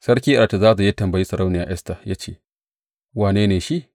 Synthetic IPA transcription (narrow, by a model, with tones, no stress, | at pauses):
sɐ˦ɾkʲiː˦ʔa˨a˨ta˨zaː˦za˨i˦tɐ˨mbɐ˨ji˦sɐ˨ɾa˦wnɪ˨ja̰ː˨ʔɛ˦sta˨ja˦t͡ʃeː˦˨ | waː˨neː˦neː˨ʃi˦